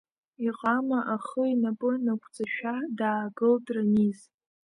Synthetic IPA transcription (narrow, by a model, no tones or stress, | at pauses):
iqʼamaʔaχəinapʼɨnakʷʰʼd͡zʼaʃᶣadaːɡɨldʼraniz